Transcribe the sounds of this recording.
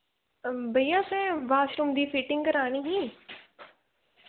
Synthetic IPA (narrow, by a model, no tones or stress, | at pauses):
bʱəijãːsɛ̃ːʋaːʃɾumd̪iːfiːʈɪ̃ŋɡkəɾaːɽ̃ĩːɦĩː